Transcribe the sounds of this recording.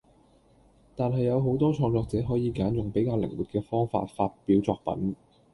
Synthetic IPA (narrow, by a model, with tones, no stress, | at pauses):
t̪aː˨nɦɐ˨jːɐ˨˧wɦo˨˥wt̪ɔː˥t͡ʃʰɔː˧ŋt͡sɔː˧k̚t͡sɛː˨˥ɦɔː˨˥jiː˨˧kaː˨˥njʊ˨ŋpe˨˥jkaː˧wlɪ̰˨˩ŋwuː˨t̚kɛː˧fɔː˥ŋfa̰ː˧t̚fa̰ː˧t̚piː˨˥wt͡sɔː˧k̚pɐ̰˨˥n